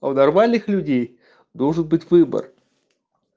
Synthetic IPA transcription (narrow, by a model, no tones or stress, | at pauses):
ɐnɐrmalʲnɨxlʲʉdʲej | d̪olˠʐɨnbɨtʲvɨbə̰r